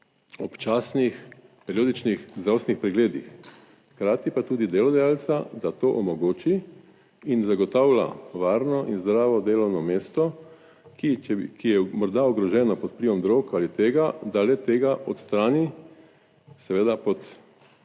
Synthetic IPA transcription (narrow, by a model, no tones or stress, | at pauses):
ɔpt͡ʃasnix | pɛɾijoːd̪it͡ʃnixzd̪ɾawsnixpɾɛɡleːd̪ix | xkɾaːt̪ipat̪uːd̪id̪eːlɔd̪ajaːlsad̪at̪oːʔɔmɔɡoːt͡ʃi | inzaɡɔt̪aːwla̰ʋaːɾnɔʔinzd̪ɾaːʋɔd̪eːlɔwnɔmeːst̪ɔ | kikijɛmɔɾd̪aɔɡɾɔʒɛːnɔpɔt̪̚pliʋɔmd̪ɾokalit̪eːɡad̪alɛt̪eːɡaʔɔ̰t̪st̪ɾaːni | sɛʋeːd̪apɔt̪